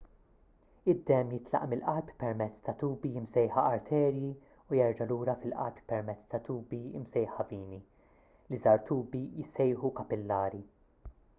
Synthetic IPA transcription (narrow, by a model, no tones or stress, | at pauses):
ɪd̪ːɛmjɪt̪lɐ̰ʔmɪlʔɐlppɛɾmɛt͡sːt̪ɐt̪uːbijɪmsɛjħɐɐɾt̪ʰɛːɾji | ujɛɾd͡ʒɐluːɾɐfɪlʔɐ̰lppɛɾmɛt͡sːt̪ɐt̪uːbiɪ̰msɛjħɐviːni | lizɐːɾt̪uːbijɪsɛjħukɐpɪlːɐːɾi